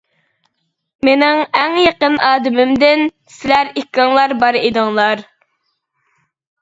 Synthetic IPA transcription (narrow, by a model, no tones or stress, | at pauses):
menɪŋɛŋjeqənɑːd̪ɪmɪmd̪ɪn | sɪlæɾikʲːɑŋlˠɑɾbɑɾed̪ɨŋlˠɑɾ